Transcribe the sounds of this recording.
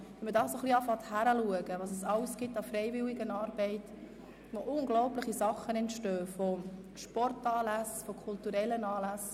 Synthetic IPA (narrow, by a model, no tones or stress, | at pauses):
ʋɛmədɑːsoχliɑfɑt̪hæɾəluəɡəʋɑːsɛsɑwsɡ̥ɪtːɑfɾɛɪvɪliɡənɑːɾbɛɪt | ʋoʔʊŋɡlɔʊplɪχisɑχənɛntʃtøːfɔ | ʃpɔrtɑːlæsfɔkʰultuɾɛlːənɑːlæs